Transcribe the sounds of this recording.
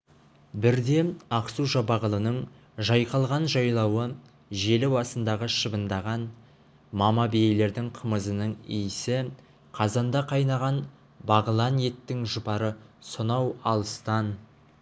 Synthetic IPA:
bɪɾd̪e̞ɑqsuʒɑbɑʁəlˠənəɴ | ʒɑjqɑlˠʁɑnʒɑjlˠɑwə | ʒe̞lɪwɑsənd̪ɑʁəʃəbənd̪ɑʁɑn | mɑmɑbejejle̞ɾd̪ɪŋqʰəməzənəɴijɪsɪ | qʰɑzɑnd̪ɑqʰɑjnɑʁɑn | bɑʁəlˠɑnje̞t̪ːɪŋʒʊpɑɾəsonɑwɑlˠəst̪ɑn

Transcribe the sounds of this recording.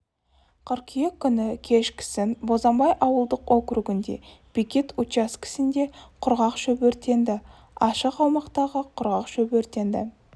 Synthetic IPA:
qʰəɾqijekʲʰːʏnɪkʲʰe̞ʃkʲʰɪ̥sɪnbo̞zɑmbɑjʔɑwəlˠd̪əqwokɾuɡɪnd̪e̞̰b̥ikʲe̞t̪utɑskʲʰɪ̥sɪnd̪e̞qʰʊɾʁɑqʃɵbɵɾt̪e̞nd̪ɪ | ɑʃəqɑwmɑqt̪ɑʁəqʰʊɾʁɑqʃɵbɵɾt̪e̞nd̪ɪ̰

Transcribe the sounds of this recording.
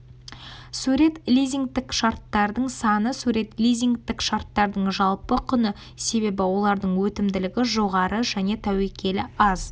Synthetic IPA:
suɾe̞t̪lʲijziŋkt̪ɪkʃɑɾt̪ːɑɾd̪əɴsɑnəsuɾe̞t̪lʲijzʲiŋkt̪ɪkʃɑɾt̪ːɑɾd̪əɴʒɑlˠpəqʰʏnə | se̞be̞bɪwo̞lˠɑɾd̪əɴwɵt̪ɪmd̪ɪlɪɡʲɪʒo̞ʁɑɾəʒæne̞t̪ʰæwekʲʰe̞lɪɑz̥

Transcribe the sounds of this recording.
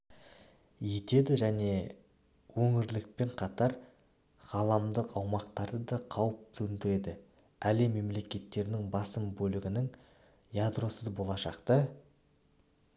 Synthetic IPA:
je̞t̪e̞d̪ɪʒæne̞ | wɵŋɪɾlɪk̚pe̞ɴqʰɑt̪ɑɾ | ʁ̥ɑlˠɑmd̪əqɑwmɑqt̪ɑɾd̪əd̪ɑqʰɑwəp̚t̪ʰɵnd̪ɪɾe̞d̪ɪ | ælɪme̞mle̞kʲe̞t̪ːe̞ɾɪnɪŋbɑsəmbɵlɪɡʲɪnɪŋ | jad̪ro̞səzbo̞lˠɑʃɑ̰qt̪ə

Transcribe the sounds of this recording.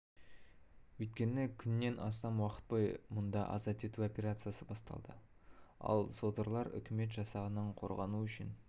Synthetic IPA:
wɵjt̪̚kʲe̞nɪkʲʰʏnːe̞nʔɑst̪ɑnwɑqə̥t̪̚pɑjmʊnd̪ɑʔɑ̰zɑt̪e̞t̪uo̞pʲe̞ɾat̪sɨjasəbɑst̪ɑ̰lˠd̪ə | ɑ̰lˠso̞d̪əɾlˠɑɾʏ̰kʲɪme̞t̪ʒɑsɑʁənəɴqʰo̞̰ɾʁɑnuʏʃɪn

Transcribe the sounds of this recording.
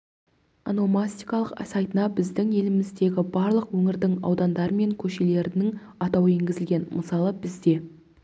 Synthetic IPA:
a̰nomasʲt̪ijkɑlˠəqsɑjt̪ənɑbɪzd̪ɪŋje̞lɪmɪzd̪e̞ɡʲɪbɑɾlˠəqwɵŋɪɾd̪ɪŋɑ̰wd̪ɑnd̪ɑɾəme̞ŋkʲʰɵʃe̞le̞ɾɪnɪŋ | ɑt̪ɑweŋɡʲɪzɪlɡʲe̞nməsɑlˠəbɪzd̪e̞

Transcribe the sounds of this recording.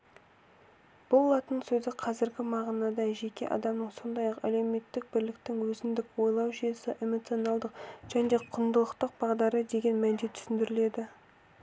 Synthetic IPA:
b̥ʊlˠːɑt̪ənsɵzɪqʰɑzɪɾɡʲɪmɑʁɑnɑd̪ɑʒe̞kʲe̞̰ʔɑ̰d̪ɑmnəɴso̞nd̪ɑjɑqæ̰le̞me̞t̪ːɪk̚bɪɾlɪk̚t̪ɪŋwɵzɪnd̪ɪkwo̞jlˠɑwʒijesɪʔe̞mo̞t̪sio̞nɑlˠd̪əqʒ̥æne̞qʰʊnd̪əlˠəqt̪əq̚bɑʁd̪ɑɾəd̪e̞ɡʲe̞nmænd̪et̪ʰʏ̥sɪnd̪ɪɾɪle̞d̪ɪ

